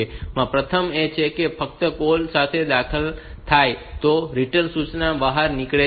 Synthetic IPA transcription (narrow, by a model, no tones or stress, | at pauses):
emãpɾət̪ʰəmet͡ʃʰekefək̚t̪əkolsat̪ʰed̪akʰəlt̪ʰajt̪oɾiʈənsut͡ʃnabəɦaɾnɪkɭe